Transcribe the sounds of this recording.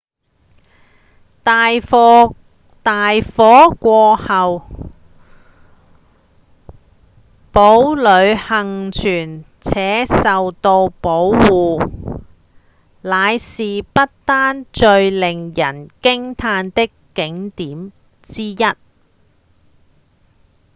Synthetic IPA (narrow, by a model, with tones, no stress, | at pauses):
t̪aː˨˧j | t̪aː˨jfɔː˨˥kʷɔː˧hɐ˨w | po˨˥wlɵ˨˧ɥhɐ˨ŋt͡ʃʰyː˨˩n | t͡sʰɛː˨˥sɐ˨wt̪o˧wpo˨˥wwuː˨ | laː˨˧jsiː˨pɐ˥t̚t̪aː˥nt͡ʃɵ˧ɥlɪ˨ŋjɐ˨˩nkɪ˥ŋt̪ʰaː˧nt̪ɪ˥kː | ɪ˨˥ŋt̪iː˨˥m | t͡siː˥jɐ˥t̚